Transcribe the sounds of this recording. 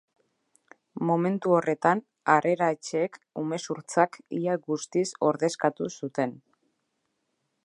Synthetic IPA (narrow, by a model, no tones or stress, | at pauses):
mo̞me̞nt̪uo̞re̞t̪an | are̞ɾaet͡ʃeːkume̞suɾt͡sakiaɡust̪iso̞ɾðe̞skat̪usut̪e̞n